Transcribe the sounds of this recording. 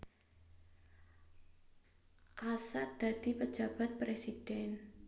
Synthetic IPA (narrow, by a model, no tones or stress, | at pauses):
ʔasat̪̚d̪̥a̤d̪̥ipə̥d͡ʒa̤b̥a̤t̪̚pɾesid̥ɛn